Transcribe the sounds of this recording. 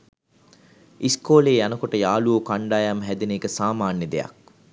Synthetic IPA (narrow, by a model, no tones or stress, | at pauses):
ʔiskoːleːjɐnɐkoʈəjaːluokaɳɖaːjamɦɛd̪eneːkəsaːmaːnjəd̪ejɐ̰k̚